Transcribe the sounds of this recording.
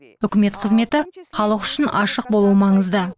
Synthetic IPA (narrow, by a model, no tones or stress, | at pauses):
ʏkʲɪme̞t̪qʰəzme̞t̪ɪχɑlˠəqʏ̥ʃɪnɑʃəq̚bo̞lˠuwəmɑɴəzd̪ə